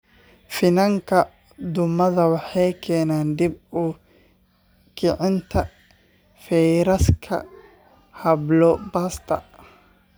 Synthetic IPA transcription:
fɪnɐŋkʰɐ | d̪ʊmɐðɐwɑħɛjkʰɛːnaːnd̪ib̚u | kʰɪʕɪnt̪ʰɐ | fɛjɾɐskʰɐ̰ | hɐblɔbast̪ʰɐ̰

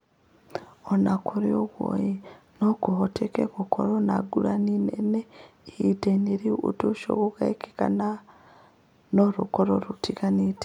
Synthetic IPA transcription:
onakʰuɾioɣwo̰ji | nokuɦotʰekekokʰo̰ɾonaɡuɾaninḛnehiteneɾiṵtuʃo̰kukaeki̥ka̰na | noɾukoɾoɾutikanite̥

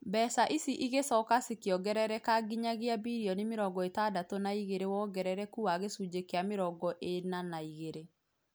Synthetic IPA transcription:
bɛːsaʔisiʔiɣesɔːkasikjɔɡɛɾɛɾɛkaɡiɲaɣiabiɾiɔnemeɾɔɡɔetaːdatonaiɣeɾewɔːɡɛɾɛɾɛkuaɣesud͡ʒekɛameɾɔɡɔʔenanaiɣeɾe

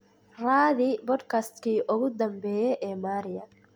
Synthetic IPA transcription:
ɾaːd̪ɪbɔd̪kɐst̪kiːʔɔɡʊd̪ɐmbeːjɛʔɛmaːɾɪjɐ

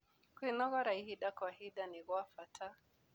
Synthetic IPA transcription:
kwinɔɣɔɾaihiɗakwahiɗaniɣɔafatʰa

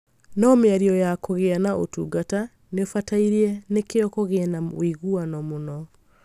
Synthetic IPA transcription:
nɔmeaɾiɔjakoɣeanaʔotuɡata | nefataiɾiɛnekeɔkɔɣenawiɣuanɔmonɔ

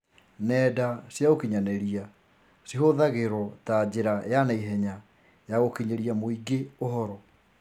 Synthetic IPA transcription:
nɛdasjaɣokiɲanɛɾia | siɦoðaɣeɾɔtad͡ʑeɾajanaiɦɛɲa | jaɣokiɲeɾiamoiɡeoɦɔɾɔ

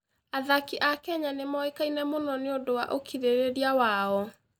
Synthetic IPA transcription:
aðakiʔakɛɲanemɔekainɛmonɔneodowaʔokʰiɾeɾeɾiawaɔ

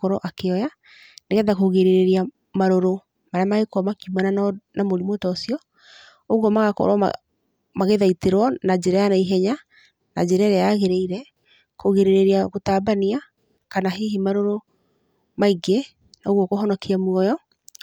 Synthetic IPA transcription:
kɔɾɔʔakeɔja | neɣɛðakoɣeɾeɾeɾia | maɾoɾo | maɾeamaɣekɔmakiumanannamoɾimotɔːsijɔ | oɣwɔmaɣakɔ̰ɾwɔa̰ | maɣeðaiteɾwɔnad͡ʑeɾajanaiɦɛɲa | na̰d͡ʑeɾaɾeaɣeɾeiɾɛ | koɣeɾeɾeɾiaɣotaːbania | kanaɦiɦimaɾoɾo | maiɡe | naoɣwɔkɔɦɔnɔkiamwɔjɔ

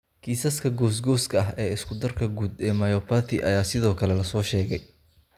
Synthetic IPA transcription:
kʰiːsɐskʰɐɡɔːs̬ɡɔːskʰɐɐɦɛːɪskʰʊd̪ɐrkʰɐɡuːd̪ɛːmɐjɔːpʰaθʰɪ̰ʔɐ̰jaːsɪðɔːkʰɐlɛlɐsɔːʃɛːɣɛj

